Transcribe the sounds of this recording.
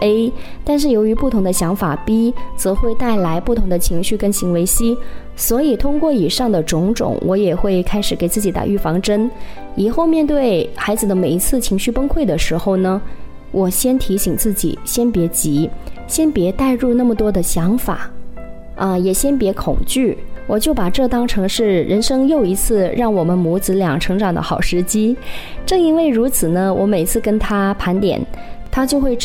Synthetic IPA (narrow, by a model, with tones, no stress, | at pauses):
e˥ɪ | t̪a˥˧nʂ̬ɻ̩˥˩jo˧˥ʊy˧˥pu˥˩t̪ʰʊ˧˥ŋd̪ə˧ɕjɑ˧˥ŋfa˨˩pi˥t͡sɤ˧˥xwe˥˧ɪt̪a˥˩ɪla˧˥ɪpu˥˩t̪ʰʊ˧˥ŋd̪ə˧t͡ɕʰi˧˥ŋɕy˥˩kə˥nɕi˧˥ŋwe˧˥ɪɕi˥ | swɔ˧˥i˨˩t̪ʰʊ˥ŋkwɔ˥˩i˨˩ʂɑ˥˩ŋd̪ə˩ʈ͡ʂʊ˧˥ŋʈ͡ʂʊ̰˨˩˦ŋwʔɔ˧˥jɛ˨˩xwe˥˩ɪkʰa˥ɪʂɻ̩˨˩ke˨˩ɪt͡sɹ̩˥˩t͡ɕi˧˥t̪a̰˨˩ʔy˥˩fɑ˧˥ŋʈ͡ʂə˥n | i˨˩xo˥˧ʊmjɛ˥˧nt̪̬we˥˩ɪxa˧˥ɪd͡zɹ̩˧˩d̪ə˦me˨˩ɪi˧˥t͡sʰɹ̩˥˩t͡ɕʰi˧˥ŋɕy˥˩pə˥nkʰwe˥˩ɪd̪ə˩ʂɻ̩˧˥xo˥˩ʊnə˩ | wʔɔ˨˩ɕjɛ˥nt̪ʰi˧˥ɕi˨˩ŋt͡sɹ̩˥˩t͡ɕḭ˨˩˦ɕjɛ˥npjɛ˧˥t͡ɕi˧˥ɕjɛ˥npjɛ˧˥t̪a˥˧ɪɻu˥˧na˥˩mə˩t̪wɔ˥d̪ə˨ɕjɑ˧˥ŋfa̰˨˩˦ | ə˧jɛ˨˩ɕjɛ˥npjɛ˧˥kʰʊ̰˨˩ŋt͡ɕy˥˩wɔ˨˩t͡ɕjo˥˩ʊpa˨˩ʈ͡ʂɤ˥˩t̪ɑ˥ŋʈ͡ʂʰɤ˧˥ŋʂɻ̩˥˩ɻə˧˥nʂɤ˥ŋjo˥˩ʊi˧˥t͡sʰɹ̩˥˧ɻɑ˥˩ŋwɔ˨˩mə˦nmu˧˥t͡sɹ̩˧˥ljɑ˨˩ŋʈ͡ʂʰɤ˧˥ŋʈ͡ʂɑ˨˩ŋd̪ə̰˦xɑ˨˩ʊʂɻ̩˧˥t͡ɕi˥ʈ͡ʂɤ˥˩ŋi˥nwe˥˩ɪɻu˧˥t͡sʰɹ̩˨˩nə˦wɔ˧˥me˨˩ɪt͡sʰɹ̩˥˩kə˥nt̪ʰa˥pʰa˧˥nt̪jɛ̰˨˩nt̪ʰa˥t͡ɕjo˥˧ʊxwe˥˧ɪ